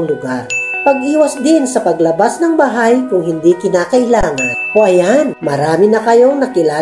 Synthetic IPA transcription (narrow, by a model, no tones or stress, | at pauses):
ŋlʊɡaɾpɐɡʔiːwɐsd̪ɪnsɐpɐɡlɐbasnɐŋbɐɦajkʊŋhɪnd̪ikɪnaːkɐʔɪlaːŋɐnʔoʔɐjanmɐɾaːmɪnɐkɐjo̞nɐkɪlaː